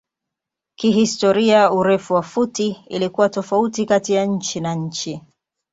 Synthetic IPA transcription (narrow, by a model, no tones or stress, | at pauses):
kiɦistɔɾiauɾɛfuwafutiilikuwatɔfautikatijaɲ̩t͡ʃinaɲ̩t͡ʃi